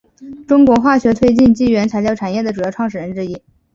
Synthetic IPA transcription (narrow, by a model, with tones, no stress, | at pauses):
ʈ͡ʂʊ˥ŋkwɔ˧˥xwa˥˩ɕɥɛ˧˥t̪ʰwe˥˧ɪt͡ɕi˥˧nt͡ɕi˥˩ɥɛ˧˥nt͡sʰa˧˥ɪt͡ɕjɑ˥˩ʊʈ͡ʂʰa˨˩njɛ˥˩d̪ə˩ʈ͡ʂu˨˩jɑ˥˧ʊʈ͡ʂʰwɑ˥˩ŋʂɻ̩˨˩ɻə˧˥nʈ͡ʂɻ̩˥i˥˩